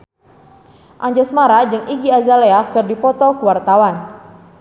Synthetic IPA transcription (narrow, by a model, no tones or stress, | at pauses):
ʔaɲd͡ʒasmaɾad͡ʒɨŋiɡiazaleakərdipɔt̪ɔkəwart̪awan